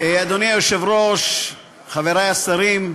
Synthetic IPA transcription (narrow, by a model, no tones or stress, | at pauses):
ead̪oniajoʃevɾoʃ | χaveɾajasaɾim